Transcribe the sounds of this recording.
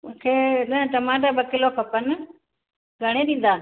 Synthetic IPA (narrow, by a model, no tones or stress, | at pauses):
mʊ̃ːkʰeːɗə̃ʈəmãːʈ̬aːbəkɪloːkʰəpən | ɡʱəɽ̃eːɗĩːn̆d̪aː